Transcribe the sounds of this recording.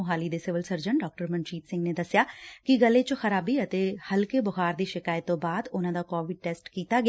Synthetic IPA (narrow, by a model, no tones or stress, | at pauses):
ɦaːliːd̪eːsɪʋəlsəɾd͡ʒəɳɖɔːk̚ʈəɾmənt͡ʃiːt̪sɪ̃ŋɡneːd̪əsjaːkiɡəlːẽt͡ʃəxəɾaːbiət̪eːhəlkeːbəɣaːɾd̪iːʃɪkaːjt̪ːõːbaːd̪ʊnãːd̪aːkɔːʋɪɖ̚ʈɛːsʈkiːt̪aːɡ